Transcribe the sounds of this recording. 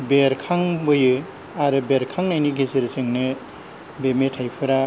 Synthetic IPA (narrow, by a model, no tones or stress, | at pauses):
beɾkʰaŋbɯjɯ | aɾɯbeɾkʰaŋnajniɡʱeseɾsɯŋnɯ | bemetʰajpʰɯɾa